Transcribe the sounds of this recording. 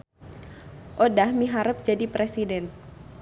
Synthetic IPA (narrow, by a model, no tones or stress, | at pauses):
ʔodahmiɦaɾəp̚d͡ʒadipɾesidɛn